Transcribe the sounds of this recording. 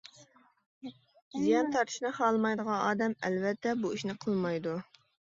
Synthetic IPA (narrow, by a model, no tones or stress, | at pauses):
zijɑnt̪ʰɑɾt̪ʰɨ̥ʃnɨχɑːlˠmɑjd̪əʁɑ̃ɑːd̪ɛmɛlvɛt̪ːɛbuiʃnɪqʰəlˠmɑjd̪u